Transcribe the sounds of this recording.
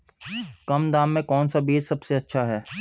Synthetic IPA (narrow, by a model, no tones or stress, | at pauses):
kɐmd̪aːmːẽkɔːnsabiːd͡ʒsɐbseɐtːʃʰaɦɛː